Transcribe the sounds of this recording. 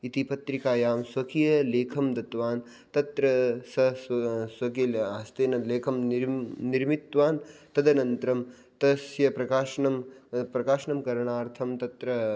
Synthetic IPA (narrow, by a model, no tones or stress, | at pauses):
it̪ipɐt̪ɾikaːjaːmswɐkʰijɐleːkʰɐmd̪ɐt̪ʋaːn | t̪ɐt̪ɾɐsɐsʋɐkilaːst̪eːnɐleːkʰɐmniɾmit̪ʋaːnt̪ɐd̪ɐnɐnt̪ɾɐm | t̪ɐsjɐpɾɐkaːʃɐɳɐmpɾɐkaːʃɐɳɐmkɐɾɐɳaːɾt̪ʰɐmt̪ɐt̪ɾɐ